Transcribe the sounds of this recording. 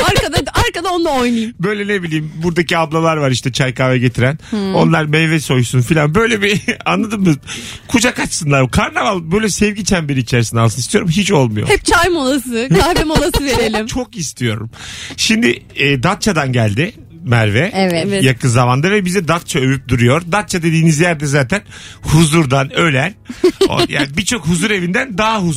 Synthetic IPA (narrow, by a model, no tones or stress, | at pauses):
aɾkad̪aaɾkad̪aond̪aojnajbø̞jlʲɛne̞bilʲijːmbuɾd̪aciablˠalˠaɾvaɾiʃt̪ɛt͡ʃʰajkaːvɛɟe̞t̪ʰiɾæno̞nlˠaɾmɛjvɛso̞jsunfilʲanbø̞jlʲebianlˠad̪ɯmɯkʰud͡ʒakat͡ʃsɯnd̪aɾbkʰaɾnavalˠbø̞jlʲɛsɛvɟit͡ʃʰænbiɾiːt͡ʃʰɛɾsind̪alˠʰɯnist̪ijoɾumɦit͡ʃo̞lˠmujo̰hɛp̚t͡ʃʰajmolˠasɯkʰahbɛmolˠasɯveɾelʲimt͡ʃʰo̞kist̪ʰijo̞̰ɾṵmʃimd̪ɪːd̪at̪̚t͡ʃʰad̪anɟælʲd̪ɪ | mæɾvɛɛvjakʰɯnzavand̪avɛbizɛd̪at̪̚t͡ʃʰaøvyp̚d̪uɾujo̞ɾd̪at̪̚t͡ʃʰad̪e̞d̪iːnizjæɾd̪ɛzaːt̪ʰænhuzuɾd̪anø̞lʲæno̰ja̰ːnibit͡ʃʰo̞khuzuɾe̞vind̪ænd̪aɦaɦu